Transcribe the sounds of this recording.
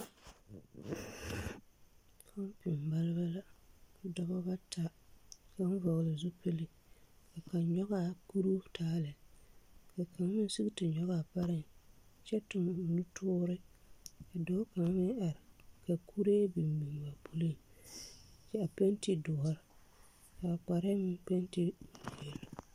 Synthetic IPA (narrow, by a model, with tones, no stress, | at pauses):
kʰa˦m˦pɪ˨m˨ba˦lɪ˦ba˦la˦ka˨dɔ˦ba˦ba˦tʰa˦ka˦n˦vɔ˨ɣla˨zʊ˦pe˦lɪ˦ | ka˨ka˨nɲɔ˦ɣa˨ku˦ɾu˦tʰaː˦lɪ˨ | ka˨ka˨ŋ˦mɪ˦su˦ɡtɪ˨ɲɔ˦ɣa˨pa˦ɾɪ˦ŋ˨t͡ʃɛ˦tʊ˨m˨nu˦tʰʊː˦ɾɪ˦ka˨dɔ˨˦ka˨ŋ˦mɪ˦ŋʔa˨ɾɪ˨ka˨kʰu˦ɾe˦bi˨mmi˨ŋ˨ba˨pu˦li˦ŋ | t͡ʃɛ˦a˨pe˦n˦ti˦dɔ˨a˦ɾɪ˨ | ka˨k͡pa˨ɾɪ˦mɪ˦pe˦n˦ti˦˨be˨l